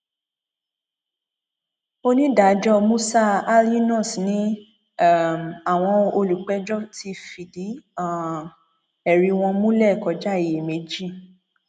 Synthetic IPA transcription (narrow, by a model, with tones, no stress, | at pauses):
o˧nĩ˦da˨˦d͡ʒɔ˦mũ˦sa˦a˦li˦nɔ̃˦˨snĩ˨˦ | ma˨w̃ɔ̃˧o˧lu˨k͡pɛ˨˦d͡ʒɔ˦ti˧fi˨di˨˦a˦˨ | ɛ˨ɾi˨˧w̃ɔ̃˧mũ˦lɛ˦˨kɔ˧˦d͡ʒa˦i˨je˨me˨˦d͡ʒi˦˨